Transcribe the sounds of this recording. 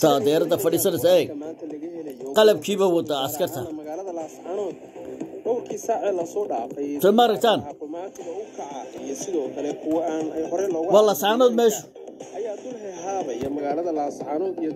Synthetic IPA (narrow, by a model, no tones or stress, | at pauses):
t̪ʰɐd̪ɛːɾɐðɐfɐɽiːsɐnɪsɐɛɡaːnt̪ʰɐlɐɣɐhɛlɐjɔqɑlɐb̚kʰiːβɐwɑd̪ɐɐskʰɐrt̪ʰɐmɐɣaːlɐðɐlaːsʕanɔːd̪ | ɖɔwrkʰiːsaːʕɛːlɐsɔːɖaːfɛj̪ʰɛmɐɾɐɡt̪ʰaːnt̪ɔmaːt̪ʰɪɣɐʊkʰɐʕɑijɔsɪðɔːkʰɐlɛkʰʊwɐaːnɛjhɔɾɛlɔːɣwɑːlaːsʕaːnɔːd̪mɛːʃʊ | ʔɐjaːd̪ʊlhɛɦaːβɐjɐmɐɣaːlɐðɐlaːsʕaːnɔːd̪ij